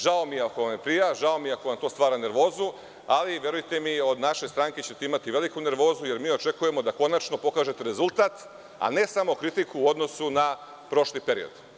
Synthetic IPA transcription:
ʒao̞miako̞ʋamjepɾijaʒao̞mieakoʋamt̪o̞ːst̪ʋaːɾane̞ɾʋo̞ːzu | aliʋje̞ɾujt̪e̞mio̞d̪naʃe̞st̪ɾaŋke̞t͡ɕe̞t̪e̞imat̪iʋe̞likune̞ɾʋo̞ːzuje̞ɾmiːo̞t͡ʃe̞kuje̞mo̞d̪ako̞nat͡ʃno̞po̞kaːʒe̞t̪e̞ɾe̞zulˠt̪aːt̪ | a̰ne̞samo̞kɾit̪ikuːo̞d̪no̞suna | pɾo̞ʃlipe̞ɾḭo̰d̪̥

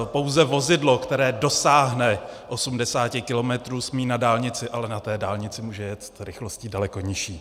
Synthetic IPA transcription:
po̞wzɛvo̞zɪdlo̞kt̪ɛɾɛːdo̞saːɦnɛʔo̞sumdɛsaːcɪkɪlo̞mɛt̪ɾuːsmiːnadaːlɲɪt͡sɪʔalɛnat̪ɛːdaːlɲɪt͡sɪmuːʒɛjɛst̪ɾɪxlo̞sciːdalɛko̞ɲɪʃiː

